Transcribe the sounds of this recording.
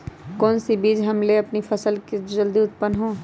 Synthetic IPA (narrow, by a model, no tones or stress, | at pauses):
kɔːnsibiːd͡ʒɦɐmleɐpnipʰɐsəlked͡ʒɐld̪iʊt̪pənːɦõː